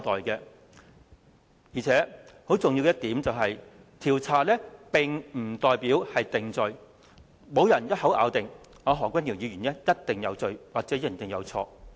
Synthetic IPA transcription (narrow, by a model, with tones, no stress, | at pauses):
t̪ɔː˨jkɛ˧ | jiː˨˩t͡sʰɛː˨˥ho˨˥wt͡sʊ˨ŋjiː˧wkjɐ˥t̪̚iː˨˥mt͡sɐ˨wɦɐ˨j | t̪ʰiː˨˩wt͡sʰaː˨˩t̚lɛː˥pɪ˨˩ŋm̩˨˩t̪ɔː˨jpiː˨˥whɐ˨jt̪ɪ˨ŋt͡sɵ˨ɥ | mo˨˧wjɐ˨˩njɐ˥t̚hɐ˨˥wʔa̰ː˨˧wt̪ɪ˨ŋ | ŋɔː˨˧ɦɔː˨˩kʷwʷɐ˥niː˨˩wjiː˨˧ɥyː˨˩nlɛː˥jɐ˥t̚t̪ɪ˨ŋjɐ˨˧wt͡sɵ˨ɥwaː˨k̚t͡sɛː˨˥jɪ˨˩ŋt̪ɪ˨ŋjɐ̰˨˧wt͡sʰɔ̰ː˧